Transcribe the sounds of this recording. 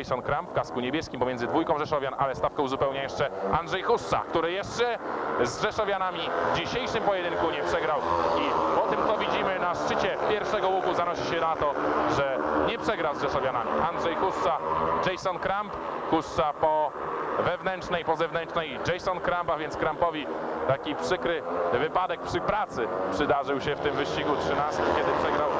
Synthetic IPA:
jsɔnkɾampfkaskuɲebʲjɛskʲimp̬ɔmʲɛnzɘd̪vujkɔ̃w̃ʐɛʂɔvʲjanʔalɛst̪afkɛwzupɛwɲajɛʂt͡ʂɛandʐɛjxussa̰kt̪uɾɘjɛʂt͡ʂɛzʐɛʂɔvʲjanamʲivd͡ʑiɕejʂɘmpɔjɛd̪ɘŋkuɲɛpʂɛɡɾawipɔt̪ɘmt̪sɔvʲid͡ʑimɘnaʂt͡ʂɘt͡ɕɛpʲjɛɾfʂɛɡɔwuɡuzanɔɕiɕɛnat̪ɔʐɛɲɛpʂɛɡɾawzʐɛʂɔvʲjanamʲḭʔandʐɛjxust̪sad͡ʐɛjsɔnkɾampxust̪sapɔvɛvnɛnt͡ʂnɛjpɔzɛvnɛnt͡ʂnɛjd͡ʐɛjsɔnkɾampavʲjɛntskɾampɔvʲit̪akʲipʂɘkɾɘvɘpad̪ɛk̚pʂɘpɾat̪sɘpʂɘd̪aʐɘwɕɛft̪ɘmvɘɕt͡ɕiɡutʂɘnast̪ɪmkʲɛd̪ɘpʂɛɡɾaw

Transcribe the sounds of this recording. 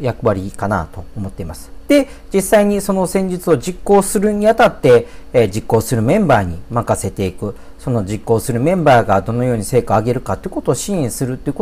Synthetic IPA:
jakɯ̟βaɾʲikana̰t̪o̞ːmo̞t̪ːe̞imasɨ̥d̪̥e̞ | d͡ʑisaiɲ̟iso̞no̞sẽ̞ɲ̟d͡ʑit͡sɨo̞d͡ʑikːo̞ːsɨɾɯ̟ɲ̟iat̪at̪ːe̞d͡ʑikːo̞ːsɨɾɯ̟mẽ̞mbaːɲ̟imakase̞t̪e̞ikɯ̟ | so̞no̞d͡ʑikːo̞ːsɨɾɯ̟mẽ̞mbaːɡad̪o̞no̞jo̞ːɲ̟ise̞ːkaːɡe̞ɾɯ̟kat̪ːeiɯko̞t̪o̞ːɕĩɰ̃ĩsɨɾɯ̟t̪ːoiɯ̟k

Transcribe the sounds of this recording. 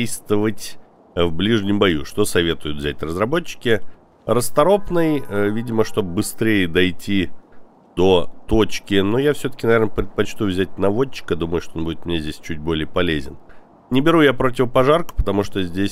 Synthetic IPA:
ejst̪vəvətʲ | vblʲiʐnʲɪmbɐjṵʂt̪o̞sɐvʲe̞t̪ʊjʊt̪vzʲætʲrəzrɐbo̞t͡ɕːɪ̥kʲɪ | rəst̪ɐɾo̞pnɨjəvʲidʲɪməʂt̪o̞bbɨst̪ɾʲejəd̪ɐjtʲʰi | d̪̥o̞t̪o̞t͡ɕkʲɪnojafsʲɵt̪ə̥kʲɪnɐvʲeɾnəpɾʲɪt̪̚pɐt͡ɕt̪ujvzʲæt̚ʲnɐvo̞t͡ɕːɪ̥kd̪uməjʊʂt̪oo̞nbudʲɪt̪mnʲezʲdʲesʲt͡ɕʉt̚ʲbo̞lʲɪjəpɐlʲezʲɪ̰n | nʲɪbʲɪɾujapɾo̞tʲɪvəpɐʐarkə̥pə̥t̪ɐmuʂt̪ozʲdʲesʲ

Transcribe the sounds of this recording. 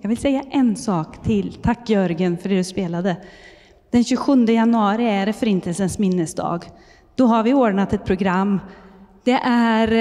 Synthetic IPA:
jɑːɡvʋɪlsɛjːaʔɛnsɑːkt̪ʰɪlt̪ʰakːjœɾɡənfœɖɛːd̪ɵspeːlad̪ə | d̪̥ɛnɕʉːɧɵnd̪əjanɵɑːɾɪæɖɛfœɾɪnt̪əlsənsmɪnːəsd̪ɑ̰ːɡ | d̪̥ɔɦaɾvɪoːɖɳat̪ɛt̪̚pʰɾʊɡɾamːd̪̥ɛʔæɾ

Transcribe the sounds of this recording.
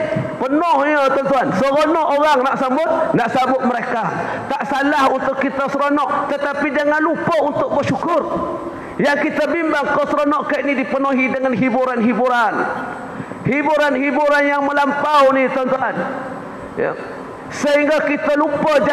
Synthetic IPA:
pənʊhɲət̪ɔnt̪uansəɣonɔʔoɾaŋnaʔsambʊt̪̚naʔsabʊt̪̚məɾeka | t̪aʔsalahunt̪ʊkːit̪asəɾonɔʔt̪ət̪apid͡ʒaŋanlupəunt̪ʊk̚bəʃukʊr | jaŋkit̪abimbaŋkawsəɾonɔʔkaiʔnidipənoɦidəŋanɦibuɾanɦibuɾan | hibuɾanɦibuɾanjaŋməlampawnit̪ant̪uan | j̰ | səɦiŋɡakit̪alupəd͡ʒa

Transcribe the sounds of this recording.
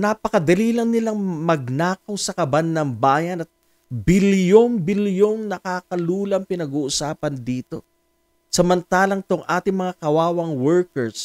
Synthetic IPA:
napɐkɐd̪ɐliːlɐŋnɪlaŋmɐɡ̚naːkɐwsɐkɐbanːɐŋbaːjɐnɐt̪̚ | biljoŋbiljoŋnɐkaːkɐluːlɐŋpɪnɐɡuːʔʊsaːpɐnd̪iːt̪o̞ | sɐmɐnt̪aːlɐŋɪt̪oŋʔaːt̪ɪŋmɐŋakɐwaːwɐŋwɛɹkɛɹs

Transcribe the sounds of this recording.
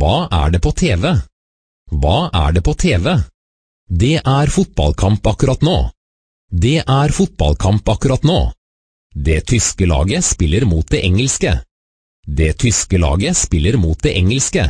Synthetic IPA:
ʋɑːʔæ̰ɖeːpʰoːt̪ʰeːʋɛ | ʋɑːʔæ̰ɖeːpʰoːt̪ʰeːʋɛ | d̪ɛːʔæɾfʊt̪̚bɑ̰lkʰɑmpɑkʉɾɑt̪noː | d̪ɛːʔæɾfʊt̪̚bɑ̰lkʰɑmpɑkʉɾɑt̪noː | d̪eːt̪ʰʏskəlɑ̰ːɡəspɪlːəɾmuːt̪̚d̪eːʔɛŋəlskə̰ | d̪eːt̪ʰʏskəlɑ̰ːɡəspɪlːəɾmuːt̪̚d̪eːʔɛŋəlskə

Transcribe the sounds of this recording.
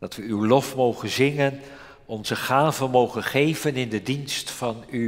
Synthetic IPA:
d̥ɑtʋəywlɔfmowχənzɪŋən | ɔnzəχaːvənmowχənχejvənɪndədinstfɑny

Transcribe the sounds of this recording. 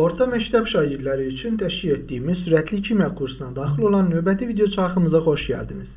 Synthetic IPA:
o̞ɾt̪ʰɑmæct̪ʰæbʃɑːɟiɾlæɾiyt͡ʃʰynt̪ʰæʃciet̪d̪ijːmizsyɾæt̪ʰlicʰimækʰuɾsɯnɑd̪ɑːxilˠo̞lˠɑnːø̞vbæt̪ʰivid̪eo̞t͡ʃʰɑɑxɯmɯzɑχo̞ʃɟæ̰ld̪iniz̥

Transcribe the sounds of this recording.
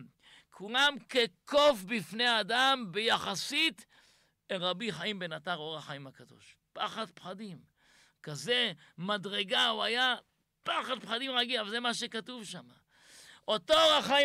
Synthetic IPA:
kʰulamkeko̞fbifneaːdambejaχasit̪ | eʁabiχaimbenataʁoʁaχaimhakado̞̰ʃpaχad̪̚pχadim | kaze̞madʁe̞ɡauaja | paχad̪̚pχadimʁaɡilavalzemaʃekatuvʃama | ʔot̪oʁaχai

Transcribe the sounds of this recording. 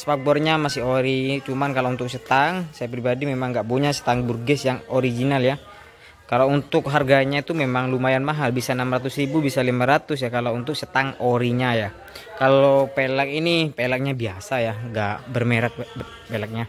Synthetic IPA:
spak̚bɔrɲamasɪhoɾit͡ʃumankalount̪ʊk̚sət̪aŋsajapɾibadimemaŋɡaʔbuɲasə̥t̪aŋburɡɛsjaŋoɾiɡinalja | kalount̪ʊk̚ɦarɡaɲait̪umemaŋlumajanmaɦalbisanamɾat̪ʊsɾibubisalimaɾat̪ʊsjakalount̪ʊk̚sət̪aŋoɾiɲaja | kalopelakinipelak̚ɲabiasajaŋɡaʔbərmeɾak̪̚ | pelak̚ɲa

